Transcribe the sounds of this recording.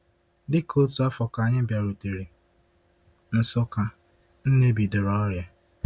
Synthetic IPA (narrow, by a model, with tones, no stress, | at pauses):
dɪ˦kʰo˦tu˨a˦fɔ˨ka˨ɲɪ˦bja˨ɾu˨ti˨ɾi˨ | n̩˨sʊ˦ka˨ | n̩˦ne˦bi˨dʊ˨ɾɔ˦ɾja˨